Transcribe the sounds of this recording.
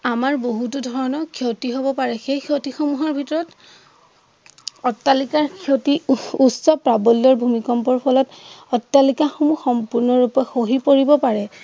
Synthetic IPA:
amaɹboɦutudʱɔɹɔnɔkʰowtiɦobɔpaɹɛxejkʰotixomuɦɔɹbʱitɔɹɔt | ɔtːalikaɹkʰotiusɔpɹabɔliɔɹbʱumikɔmpɔɹpʰɔlɔtɔtːalikaxomuxɔmpuɹnɔɹupɔxoɦipoɹibɔpaɹɛ

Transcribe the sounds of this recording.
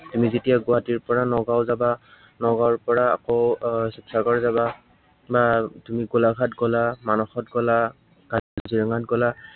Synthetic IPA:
tumizetijaɡɔwatiɹpɔɹanɔɡaʊzaba | nɔɡaɹpɔɹa̰ːkoʊsipsaɡɔɹzaba | batumiɡolaɡʱatɡɔlamanɔxɔtɡɔla | ɡ̥adɔziɹɔŋatɡɔla

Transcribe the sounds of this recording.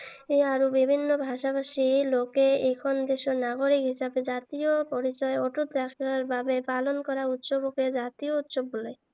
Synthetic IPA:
eaɾubibʱinːobʱaʃapaʃilokeekʰond̪eʃonaɡoɾikɦiʃabed͡ʑat̪iopɔɾit͡ɕɔeɔʈut̪ɾakʰaɾbabepalonkɔɾaut̪ʃoboked͡ʑat̪iout̪ʃobːole

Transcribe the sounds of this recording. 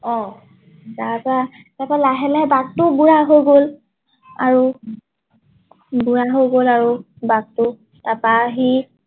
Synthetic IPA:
ɔ | zaza | tapalaɦɛlɛbak̚tʊbuɹaɦojɡol | a̰ɹu | buɹaɦojɡolaɹu | bak̚tʊ | tapaɦi

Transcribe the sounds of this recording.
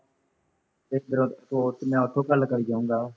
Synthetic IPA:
ɪk̚d̪əɾõːfoːʈmɛ̃ːoʈ̪ʰoːkəlkəɾiːd͡ʒaːũːŋɡaː

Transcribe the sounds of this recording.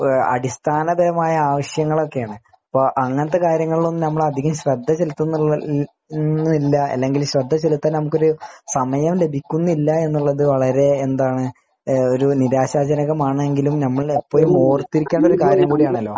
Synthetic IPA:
ɐ̰ɽist̪ʰaːnɐbɐɾɐmaːjɐaːʋɐɕjɐŋːɐɭo̞kːe̞jaːɳɨ | ɐpːoːʔɐŋːɐnɐt̪̬ːe̞kaːɾjɐŋːɐɭilonːɨnɐmːɐɭɐd̪ʱiɣɐmɕrɐd̪ʱːɐt͡ɕe̞lut̪ːunːu | nilːɐɐ̰lːe̞ŋɡilɕrɐd̪ʱːɐt͡ɕelut̪ːaːlnɐmukʲːoɾusɐmɐjɐmle̞bʱikʲːunːilːɐe̞nːuɭːɐðɨʋɐɭɐɾe̞ːnd̪aːɳɨ | o̞ɾuniɾaːɕaːd͡ʑɐnɐɣɐmaːɳɨeŋɡilumnɐmːɐɭepːo̞ːlumo̞ːrt̪ːiɾikʲːaːɳɖo̞ɾukaːɾjɐmkuːɽijaːɳɐlːo̞ː

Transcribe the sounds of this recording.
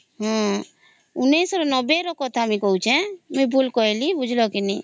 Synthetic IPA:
ɦɔ̃ | unesɔɾɔnɔbeɾɔkɔt̪ʰamikɔɦut͡ʃʰɛ̃mubʱulkɔelibud͡ʒʱlɔkini

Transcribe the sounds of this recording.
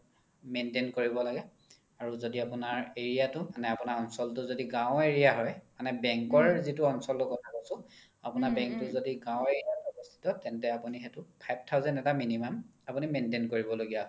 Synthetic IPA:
mentenkoɹibɔlaɡɛ | aɹuzodiapunaɹeɹijatʊmanɛapunaɹɔnsɔltʊzodiɡãweɹijaɦɔjmanɛbɛŋkɔɹzitʊɔnsɔltʊkɔtʰakosʊ̃ | a̰pʊnaɹbɛ̃ŋk̚tʊzodiɡãw̃eɹijatɔbɔstʰi̥tɔtɛntɛapunixɛtʊpʰajb̚ʰtʰawzɛntɛtaminimamapunimentenkoɹibɔloɡijaɦ

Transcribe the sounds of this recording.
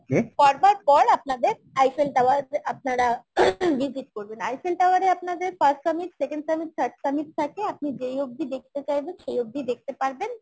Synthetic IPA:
kefɔɾbaʈpɔɾap̚nad̪eɾ | ajfelʈawaɾap̚naɾaʋid͡ʑʱiʈ̚koɾbenajfelʈawaɾeapnad̪eɾfəsʈsəmiʈsekeɳɖsəmiʈ̚t̪ʰəɾʈsəmiʈ̚t̪ʰakeap̚nid͡ʑejoɡ̚d̪id̪ek̚ʰt̪et͡ɕajbenʃejoɡ̚d̪id̪ek̚ʰt̪epaɾben

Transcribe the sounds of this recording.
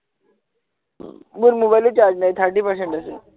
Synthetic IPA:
muɾmobajlit͡ɕaɾd͡ʑnajit̪ʰəɾʈiːpəɾs̬ẽɳʈəse

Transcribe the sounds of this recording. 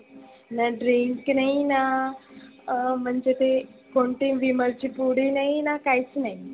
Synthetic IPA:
naɖɾiŋknaina | m̤əɳd͡ʑet̪ekoɳʈiʋiməɾt͡ɕipuɽ̤inainakajt͡snai

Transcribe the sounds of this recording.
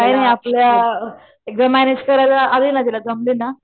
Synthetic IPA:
kaɦinaɦiaplja | ek̚d̪amæned͡ʑkəɾajlaʔːlinat̪ilad͡zəmlinːa

